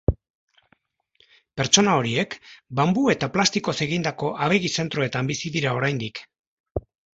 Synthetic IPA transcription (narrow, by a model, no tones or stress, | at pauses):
pe̞ɾt͡ʃo̞nao̞ɾie̞kbambue̞t̪aplast̪iko̞se̞ɣ̞ind̪ako̞ʔaβ̞e̞ɣise̞nt̪ɾo̞e̞t̪ambisiðiɾao̞ɾajnd̪ik